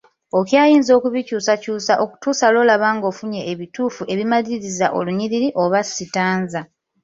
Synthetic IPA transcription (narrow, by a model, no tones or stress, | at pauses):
o̞kjaːjiːnzo̞ːkuβicuːsacuːsaʔoku̥tuːsalo̞ːlaβaːŋɡo̞ːfuɲe̞ʔːβituːfuʔe̞βimaliiɾizaʔo̞̰luɲiɾiɾiʔo̞βasitaːnza